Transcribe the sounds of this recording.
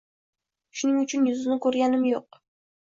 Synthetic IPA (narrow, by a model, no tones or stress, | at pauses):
ʃʊnɪŋʊt͡ʃʰʊnjʊzɪnɪkʰɵɾɡʲanɪmjoq̚